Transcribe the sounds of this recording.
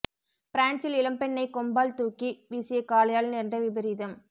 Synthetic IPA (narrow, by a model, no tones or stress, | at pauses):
pɪɾaːɳt͡ʃɪlɪlɐmpɛɳːɐɪkɔmbaːlt̪uːkːibiːsɪjɐkːaːlɐjaːlnɛndrɐʋɪbɐɾɪðɐm